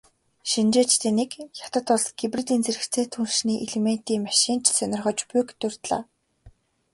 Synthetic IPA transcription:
ʃint͡ɕeːt͡ɕt̪ʰeːnekjḁt̪ə̆t̪ʊɮsɡipret̪iːnt͡seɾɘ̆kt͡sʰeːt̪ʰunʃniːʔeɮemen̥t̪iːmaʃiːnt͡ɕsœnʲɪ̆rʁœːt͡ɕpʊjkt̪ʊr̥t̪ɮa̰ː

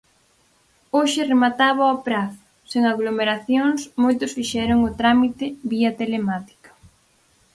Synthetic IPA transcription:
oʃɪremat̪aβaopɾaθʊ̥ | seŋaɣlomeɾaθjoŋsmojt̪ʊsfiʃɛɾʊŋʊt̪ɾamit̪ɪβiɐt̪elemat̪i̥kḁ

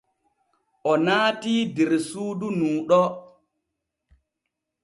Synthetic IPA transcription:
ʔɔnaːtiːdiɾsuːdunuːɗɔ

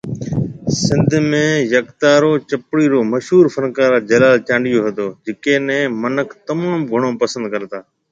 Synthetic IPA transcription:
sɪ̃nd̪ʱmẽːjəkt̪aːɾoːt͡ʃəpɽiːɾoːməʃɦuːɾfənkaːɾaːd͡ʒəlaːlt͡ʃãːɳɖijoːɦət̪oːd͡ʒɪkeːnɛ̃ːmənəkʰt̪əmãːmɡʱəɽ̃õːpəsə̃nd̪̚kəɾt̪aː

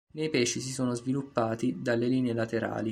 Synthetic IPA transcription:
nejpɛːʃis̬isoːnozvilupːaːt̪id̪alːeliːneelat̪eɾa̰ːli

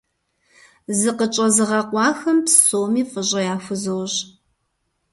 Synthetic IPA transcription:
zɨqət͡ʃʼɐzɨʁɐqʷɑːxɐmpsoːmiːqəʑʼɐjaːfʷʊzɐwɕ

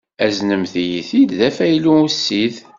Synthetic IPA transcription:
æznəmθijiθiððæfæjluusːið

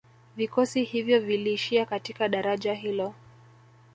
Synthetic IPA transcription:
vikɔsihivjɔviliːʃiakatikaɗaɾaʄaɦilɔ

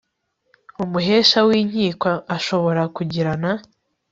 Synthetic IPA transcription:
umuɦe̞ːʃawiːɲ̥hiːkwaːʃo̞βo̞ɾakuɟiɾana

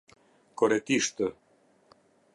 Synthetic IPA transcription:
kɔɾɛt̪iʃt̪ə

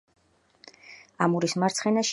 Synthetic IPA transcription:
amuɾismaɾt̪sʰχɛnaʃ

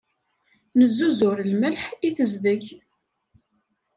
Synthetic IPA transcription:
nəzːuzʊɾlməlħiθəzðəç

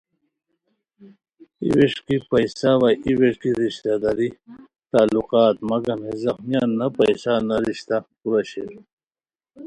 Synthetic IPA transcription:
ḭweʂkipɐjsaʋaiweʂkiɾiɕt̪ad̪ɐɾi | t̪aːluqaːt̪mɐɡɐmhezɐxmijaːnːɐpɐjsanɐɾiɕt̪apuɾɐɕel

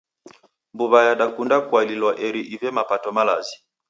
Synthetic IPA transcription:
mbuβajaɗakundakwalilwaʔɛɾiʔivɛmapatɔmala̰zi

